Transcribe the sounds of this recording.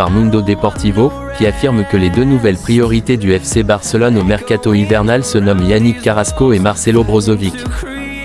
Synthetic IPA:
aʁmɔ̃nd̪od̪epɔʁt̪ivo | kʲiafiʁmkəled̪ønuvɛlpχijɔʁit̪ed̪yɛfsebaʁsəlɔnomɛʁkat̪oivɛʁnalsənɔmjanikʲaʁaskoemaʁsɛlobʁɔzɔvikʲ

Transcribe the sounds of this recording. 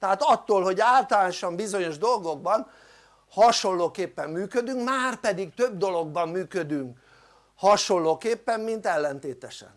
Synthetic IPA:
t̪ɛɦaːt̪ɒt̪ːoːlho̞ɟaːlt̪ɒlaːnoʃɒmbizo̞ɲo̞ʒd̪o̞lɡo̞ɡ̚bɒn | hɒʃo̞nːoːkeːpːɛmːyːkød̪yŋkmaːrpɛd̪ikt̪ø̞bd̪o̞lo̞ɡ̚bɒmːyːkød̪yŋk | hɒʃo̞lːoːkeːpːɛmːint̪ɛlːɛnt̪eːt̪ɛʃɛ̰n

